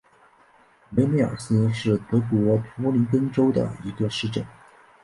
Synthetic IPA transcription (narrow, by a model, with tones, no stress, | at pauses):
me˧˥me˥ɑ̰˨˩sɹ̩˥ʂɻ̩˥˩t̪ɤ˧˥kwɔ˧˥pʰɔ˧˥li˧˥nkə˥ŋʈ͡ʂo˥ʊd̪ə̰˩i˧˥ɡə˧ʂɻ̩˥˩˧ʈ͡ʂə˥˩n